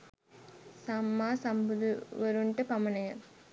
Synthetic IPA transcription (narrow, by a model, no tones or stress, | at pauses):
sɐmːaːsɐmbuðʋɐɾuɳʈɯpɐmɐnɐjɐ